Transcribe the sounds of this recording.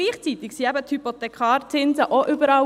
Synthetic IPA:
iːχt͡siːt̪ɪksiːɛbət̪hypot̪ɛkʰɑːɾtɪnzəʔoʔyːbəɾɑ

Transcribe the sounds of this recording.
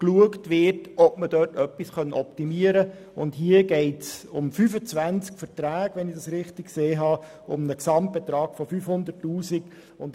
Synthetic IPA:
kluəktʋɪrtɔpmədœːtœpːisχœnɔptimiəɾə | ʊndhiəɡɛɪtsʊmfyfət͡sʋænt͡skfəɾtɾæːɡ̥ʋɛnɪdɑsɾɪχtɪkkseːɦɑː | ʊ̰mnəksɑmt̚b̥ɛt̪ɾɑːɡ̥fɔfyfhʊnd̪ərtːuːsiɡ̥ | ʊnt

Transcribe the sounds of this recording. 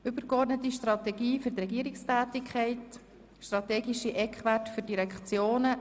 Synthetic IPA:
ʏbəɾkɔrdnətiʃtrɑt̪ɛɡiːfʏɾtrɛɡiəɾɪkstæːtikʰχɛɪt | ʃtɾɑtɛːɡiʃiʔɛkχʋætfyɾdiɾɛkχt͡sjoːnə

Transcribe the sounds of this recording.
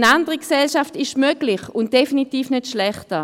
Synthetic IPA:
nandəʁəksɛlʃaftɪʃmøɡ̥lɪχʊnt̚d̥efinitiːfnøtʃlɛχtə

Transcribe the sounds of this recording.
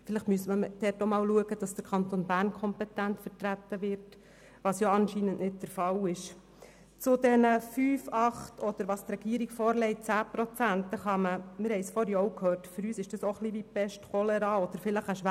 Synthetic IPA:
fɪlɪχtmyəsməd̥ɛːtomɑːlluəɡəd̥ɑsd̥əɾkʰɑnt̪onbæːrnkʰχɔmpɛt̪æntfəɾtɾæt̪ːəʋɪɾt | ʋɑsjoɑnʃinənʔnɪt̚d̥əɾfɑlɪʃ | t͡sʊdɛnəfyːfɑχtʰɔd̥̪əɾʋɑːst̪rɛɡ̥iəɾiɡfɔːɾlɛɪt̚t͡sæːpɾɔt͡sæntəχɑməmɪɾhɛɪsfɔɾjɔʊkʰhøːrtfʏɾyːsɪʃd̥ɑsoχliʋipɛʃtχɔlɛɾɑːɔd̥əɾfɪləχəʃʋæ

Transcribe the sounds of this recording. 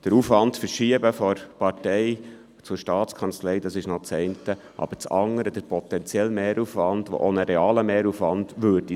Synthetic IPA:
d̥əɾufʋɑndfəɾʃiəbəfɔɾpɑɾtɛɪ | t͡suɾʃtɑːtt͡skʰɑnt͡slɛɪdɑsɪʃnot͡sɛɪntə | ʔɑ̰b̥əɾt͡sɑŋːəɾəd̥əɾpʰɔt̪ɛnt͡sjɛlmeːɾufʋɑnd̥o̰ʔonəɾɛɑːləmeːɾufʋɑndʋøɾdi

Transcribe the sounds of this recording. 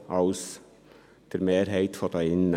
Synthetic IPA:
ɑʉs | t̪ʰəɾmeːɾɦeɪt̪fɔd̪ɑɪnːə

